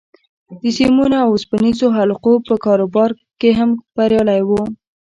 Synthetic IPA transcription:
d̪əsimunoawʊspanizoɦalqopəkɑɾobɑɾ | keɦamb̥aɾjɑlajwu

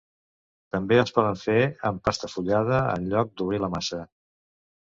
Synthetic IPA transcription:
t̪əmbeəspɔð̞əɱfeəmpast̪əfuʎað̞əə̰nʎɔk̚d̪uβɾiləmasə

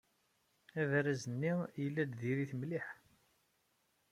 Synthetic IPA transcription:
ævɾæzənːijəlːæd̪ðiɾiθmliħ

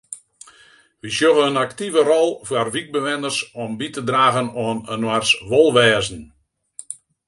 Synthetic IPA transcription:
ʋisjoɣəənaktivərɔlˠfwarʋik̚bəʋɛnərsɔmbitədraːɣənɔːnənwarsʋolˠʋɛːzn̩

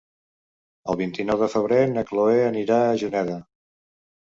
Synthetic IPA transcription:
əlˠβint̪inɔwðəfəβ̞ɾenəkloeəniɾaəʒunɛðə

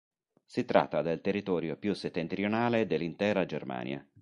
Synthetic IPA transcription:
sit̪ɾa̰t̪ːad̪elt̪erːit̪ɔːɾjopjuset̪ːent̪ɾionaːled̪elːint̪ɛːɾad͡ʒerma̰ːnj̰a̰

